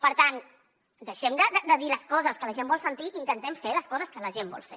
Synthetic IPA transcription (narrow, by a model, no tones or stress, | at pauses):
pəɾt̪an | d̪əʃɛmd̪əd̪əd̪əðiləskɔzəskələʒembɔlˠsənt̪iʔint̪ənt̪ɛmfeləskɔzəskələʒembɔ̰lˠfḛ